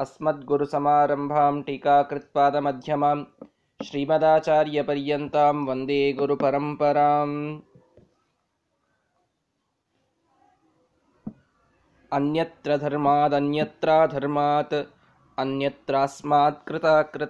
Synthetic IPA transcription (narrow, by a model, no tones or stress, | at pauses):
ɐsmɐt̪̚ɡuɾusɐmaːɾɐmbʱaːmʈiːkaːkɾɪt̪̚paːd̪ɐmɐd̪ʱjɐmɐm | ʃɾiːmɐd̪aːt͡ʃaːɾjɐpɐɾjɐnt̪aːmʋɐnd̪eːɡuɾupɐɾɐmpɐɾaːm | ɐnjɐt̪ɾɐd̪ʱɐɾmaːt̪ɐnjɐt̪ɾaːd̪ʱɐɾmaːt̪ | ɐnjɐt̪ɾaːsmaːt̪kɾɪt̪aːkɾɪ